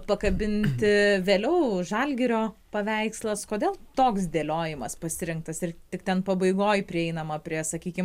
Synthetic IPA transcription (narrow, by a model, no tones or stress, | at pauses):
pɐkɐbʲɪnʲt̪ʲɪʋʲeːlʲɛʊʒɑlʲɡʲɪɾʲoːpɐʋʲɛɪkslˠɐskoːdʲeːlˠt̪oːksd̪ʲeːlʲoːjɪmɐspɐsʲɪɾʲɪŋkt̪ɐsɪrt̪ʲɪkt̪ʲɛnpɐbɐɪɡoːjpʲɾʲɪɛɪnɐmɐpʲɾʲiɛsɐkʲiːkʲɪm